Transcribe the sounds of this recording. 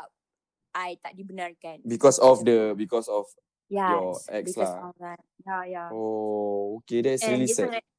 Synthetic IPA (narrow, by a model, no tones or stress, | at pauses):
a | ʔajt̪aʔ̚dibənarkanbikɔsɔfdəbikɔsɔf | jajɔʔɛkslaa | jajaookedɛtsɹilisɛt